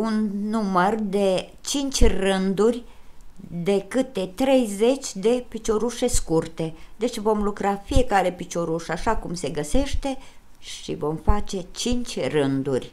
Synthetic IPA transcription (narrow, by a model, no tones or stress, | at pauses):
unːumərd̪e̞t͡ʃint͡ʃʲrɨnd̪urʲ | d̪e̞kɨt̪e̞t̪ɾe̞jze̞t͡ʃʲd̪e̞pit͡ʃo̞ɾuʃe̞skurt̪e̞d̪e̞t͡ʃʲvo̞mlukɾafije̞kaɾe̞pit͡ʃo̞ɾuʃaʃakumse̞ɡəse̞ʃt̪e̞ | ʃḭvo̞mfat͡ʃe̞t͡ʃint͡ʃʲrɨnd̪urʲ